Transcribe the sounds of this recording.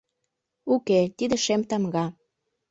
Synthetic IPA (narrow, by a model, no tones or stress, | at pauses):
uket̪id̪ĕʃemt̪ɑmɡɑ